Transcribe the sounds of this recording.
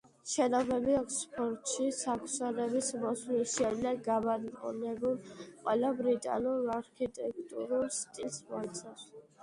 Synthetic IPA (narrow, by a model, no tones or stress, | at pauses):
ʃɛnɔbɛbiɔkʰspʰɔɾt̪ʼʃisakʰsaɾɛbismɔsliʃiɛd̪lɛɡamad̪qʼɔ̰nɛbulqʼwɛlabɾit̪ʼa̰nuɾaɾkʰit̪ʼɛk̚ʰt̪ʼṵɾulst̪ʼilsmɔt̪sʰʼas